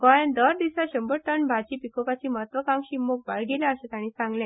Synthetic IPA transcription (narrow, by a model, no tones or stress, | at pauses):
kɔjẽnd̪əɾd̪isaɕəmbəɾʈəɳbʱat͡ɕiːpikopat͡ɕiːməɦət̪ʋəkãŋɕimːok̚ba̰ɭɡʱelaəɕãt̪jãɽ̃iːsãŋɡlɛ̃